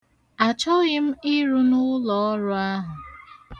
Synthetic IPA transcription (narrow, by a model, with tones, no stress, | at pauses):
a˨t͡ʃɔ˦ɣɪ˦m̩˦i˦ɾu˦nʊ˦lɔ˨ɔ˦ɾʊ˦a˦ɦʊ˨